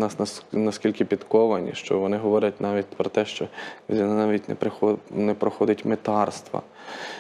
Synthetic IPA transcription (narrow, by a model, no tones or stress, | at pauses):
nɑsnnɐskʲilʲkɪpʲid̪kɔʋɐnʲḭʃt͡ʃɔʋɔnɪɦɔʋɔɾʲɐt̚ʲnɑʋʲit̚ʲpɾɔt̪ɛʃt͡ʃɔɔnnɑʋʲitʲnɛ̰pɾɪxɔnɛpɾɔxɔd̪ɪtʲmet̪ɑrst̪ʋɐ̰